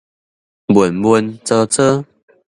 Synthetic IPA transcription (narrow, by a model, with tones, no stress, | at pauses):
bwə˨˩nbwə˧nt͡sə˧t͡sə˦